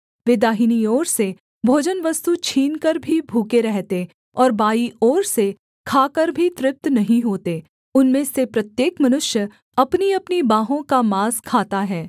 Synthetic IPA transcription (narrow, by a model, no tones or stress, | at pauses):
ʋɪd̪aːɦiniɔːɾse | bʱoːd͡ʒənʋɐst̪ut͡ʃʰiːnkɐɾbʱibʱuːkeɾɛɦt̪e | ɔːɾbaːiɔːɾse | kʰaːkɐɾbʱit̪ɾɪp̚t̪nɐɦĩɦoːt̪e | ʊnmẽsepɾɐt̪jeːkmɐnʊʃjə | ɐpniɐpnibaːɦõkamaːskʰaːt̪aɦɛː